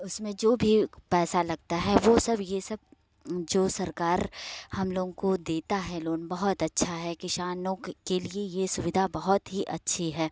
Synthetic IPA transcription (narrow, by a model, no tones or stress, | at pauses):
ʊsmẽd͡ʒoːbʱipɛːsalɐɡ̚t̪aɦɛʋoːsɐbjesɐb̚ | d͡ʒoːsɐɾkaːɾhɐmloːɡõkod̪eːt̪aɦɛloːnbɐɦʊt̪ɐtːʃʰaɦɛkɪʃaːnõkeliejesʊʋɪd̪ʱabɐɦɔt̪ɦiʔɐtːʃʰiɦɛː